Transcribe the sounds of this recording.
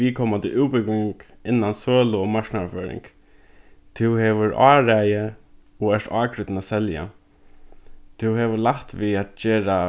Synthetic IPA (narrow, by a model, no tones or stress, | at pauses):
ʋiːkʰoːmat̪ʰɪluːpʏkɪŋk | ɪnːansøːlʊɔmaɹknaaføːɾɪ̰ŋk | t̪ʰɪwhɛʋʏɾʔɑːɾɛjə | ɔɛʂt̪ɑːkʰɾʏt̪nasɛlja̰ | t̪ʰɪwɦɛʋəlaht̪ʋiːat̪d͡ʒeːɾa